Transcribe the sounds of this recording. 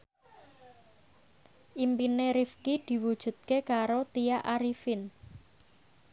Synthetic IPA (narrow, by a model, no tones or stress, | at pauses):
ʔimpineɾifkid̪̥i̤wud̥ʒ̥ṳt̪̚kekaɾot̪iaʔaɾifɪn